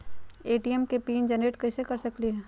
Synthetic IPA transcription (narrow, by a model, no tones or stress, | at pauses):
eːʈiɛmkepiːnd͡ʒɛneːʈkɐsekɐɾsɐkliɦɛː